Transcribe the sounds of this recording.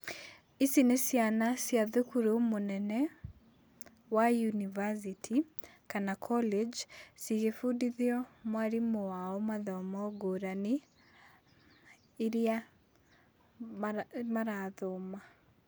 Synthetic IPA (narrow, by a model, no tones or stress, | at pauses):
isinesjanasjaðukuɾomonɛnɛ | wajunivas̬itʰikanakʰɔled͡ʒsiɣefudiðiɔmwaɾimowaɔmaðɔmɔɡoːɾani | ɾja | maɾaðoma